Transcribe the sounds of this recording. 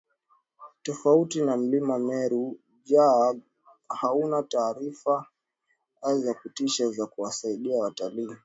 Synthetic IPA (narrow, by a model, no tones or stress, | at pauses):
tɔfautinam̩limamɛɾu | ʄa | haunataːɾifa | zakutiʃazakuwasaiɗiawataliː